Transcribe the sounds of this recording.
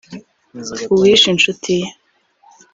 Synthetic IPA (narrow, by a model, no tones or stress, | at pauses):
uwiʃinʃutʰije